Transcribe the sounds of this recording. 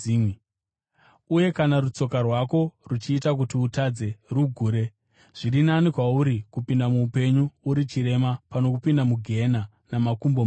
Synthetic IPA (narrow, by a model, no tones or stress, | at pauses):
uje̞kanarut͡so̞karwako̞rut͡ʃiːtak̬utiutad͡ze̞ruɡʱuːɾe̞ | ʐ̥irinanikwauɾikupindamuːpe̞ɲuːɾit͡ʃiɾe̞mapano̞kupindamuɡʱe̞na | namakumbo